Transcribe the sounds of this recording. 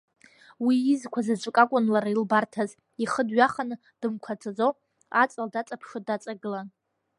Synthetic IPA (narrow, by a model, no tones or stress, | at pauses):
wiːzkʷʰazat͡ʃʷʼʊkʼakʷʼʊnlaɾailbartʰaz | iχədɥaχanɨ | d̥ɨmkʷʰat͡sʰʼad͡zow | a̰t͡sʼaldat͡sʼapʰʂodat͡sʼaɡɨlan